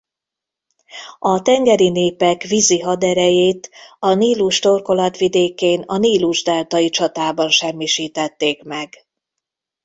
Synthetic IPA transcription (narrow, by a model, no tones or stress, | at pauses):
ɒt̪ɛŋɡɛɾineːpɛkʋiziɦɒd̪ɛɾɛjeːt̪ɒniːluʃt̪o̞rko̞lɒt̪ʋid̪eːkeːnɒniːluʒd̪ɛlt̪ɒjit͡ʃɒt̪aːbɒnʃɛmːiʃiːt̪ɛt̪ːeːkmɛɡ